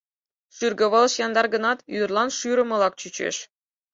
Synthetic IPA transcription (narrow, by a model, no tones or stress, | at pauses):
ʂyrɡʲɤ̆ʋɤ̆lˠɤ̆ɕjɑnd̪ɑrɡɤ̆nɑt̪yrlˠɑnʂyɾɤ̆mɤ̆lˠɑk̚t͡ɕyt͡ɕḛʂ